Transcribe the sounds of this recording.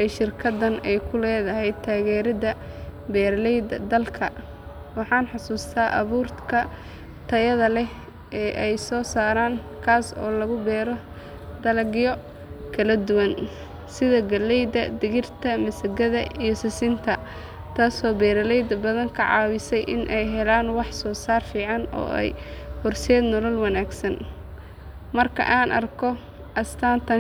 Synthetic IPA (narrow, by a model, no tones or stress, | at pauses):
ʔɛʃɪrkʰɐd̪ɐnɛjkʰʊlɛːðɐɦɛjd̪̚t̪ʰːaːɣɛːɾɐdɐbɛːɾɐlɛjd̪ɐd̪ɐlkʰɐ | wɑħɑːnħɑsuːst̪ʰaːʔɐ̰βuːrt̪kʰɐ | t̪ʰɐjɐðɐlɛ | ʔɛːʔɛjsɔːsaːɾaːn | kʰaːsɔ̰ːlɐɣʊbɛːɾɔ | d̪ɐlɐɡɪjɔ | kʰɐlɐd̪ʊwɐn | sɪðɐɡɐlɛjd̪ɐd̪ɪɣɪrt̪ʰɐmɐsɐɡɐðɐijɔsɪsɪnt̪ʰɐ | t̪ʰaːsɔːbɛːɾɐlɛjd̪ɐbɐðɐŋkʰɐʕɑ̰ːwɪsɛjʔɪ̰nʔɛjɦɛlaːnwɑħsɔːsaːrfiːʕɑnɔ̰ːʔɛ̰jhʊrsɛːd̪nɔlɐlwɑnaːɡsɐn | mɐrkʰɐ̰ʔaːnʔɐ̰rkʰɔ | ʔɐst̪ʰaːnt̪ʰɐ